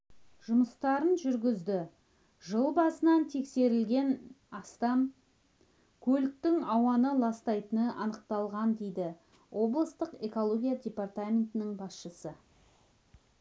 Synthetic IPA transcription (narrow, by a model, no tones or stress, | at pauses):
ʒ̥ʊməst̪ɑɾənʒʏɾɡʲɪzd̪ɪ | ʒəlˠbɑsənɑnt̪ʰe̞kse̞ɾɪlɡʲe̞n | ɑst̪ɑm | kʲʰɵlɪk̚t̪ɪŋɑwɑnəlˠɑst̪ɑjt̪ənəʔɑnəq̚t̪ɑlˠʁɑnd̪e̞jd̪ɪ | wʔo̞blˠəst̪əqeko̞lˠo̞ɡʲijadʲe̞part̪amʲe̞nt̪ɪnɪŋbɑsʃəsə